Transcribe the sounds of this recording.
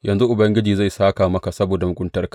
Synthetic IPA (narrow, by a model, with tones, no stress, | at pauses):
jʔɐ˨nzu˦ʔʊ˨bɐ˦ŋɡʲɪ˦d͡ʒiː˨za˦˨jsaː˦kaː˨mɐ˦ka˨sɐ˦boː˨da˨mʊ˨kʷʼʊ˦ntɐ˦rk